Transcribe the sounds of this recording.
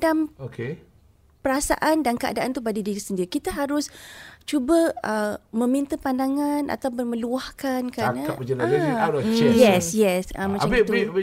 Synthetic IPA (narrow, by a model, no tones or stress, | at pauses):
damoke | pəɾasa̰ʔandankəa̰daʔant̪ubadidiɾisəndiɾikit̪əɦaɾʊst͡ʃubəəmə̃mint̪əpandaŋana̰t̪awpʊnmə̃luahkankəanaaəd͡ʒəlat͡ʃɛjɛsjɛsəmmãt͡ʃambit̪i